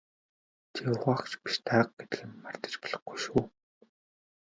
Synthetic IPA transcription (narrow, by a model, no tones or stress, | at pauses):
t͡ɕʰeʊʁaːxt͡ɕpi̥ʃt̪ʰaːq̚ɡet̪ɘ̆xɘ̆mmar̥t̪ə̥̆t͡ɕpɔɮɞ̆χɡujʃuː